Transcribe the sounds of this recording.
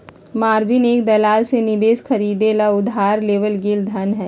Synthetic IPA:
maːɾd͡ʒɪneːk̚d̪ɐlaːlsenɪbeːsxʰɐɾiːd̪elaʊd̪ʱɦaːɾleːʋəlɡɪld̪ʱɐnɦɛː

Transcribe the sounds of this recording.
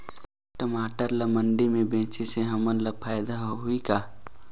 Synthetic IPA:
ʈəmaːʈəɾlɐməɳɖimẽbẽːt͡ʃeseɦɐmənləpʰaːjd̪aɦoɦuikaː

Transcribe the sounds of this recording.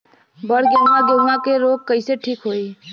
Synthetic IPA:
bəɽ̤ɡjəʊnaɡjənakeɾoːɡ̚kəɪseʈʰiːkɦoːi

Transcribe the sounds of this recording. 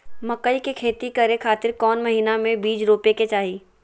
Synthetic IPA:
mɐkəikekʰeːt̪ikɐɾekʰaːt̪ɪɾkɔːnmɐɦiːnamẽbiːd͡ʒɾoːpeket͡ʃaːɦiː

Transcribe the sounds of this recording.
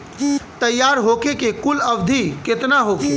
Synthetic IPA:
t̪əjːaɾɦokekekuləbd̪ʱiket̪naɦoke

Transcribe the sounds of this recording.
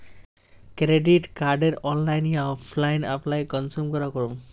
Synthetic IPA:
kɾeɖiʈkaɾɖeɾɔnlajnijaɔpʰlajna̰plajkɔnsumkɔɾakɔɾum

